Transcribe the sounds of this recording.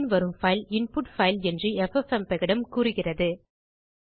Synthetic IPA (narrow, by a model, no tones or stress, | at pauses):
nʋɐɾɯmfɐɪlɪnpʊʈfɐɪlɛndriɛfɛfɛmpɛɣɐɽɐmkuːɾɯɣɪrɐðɯ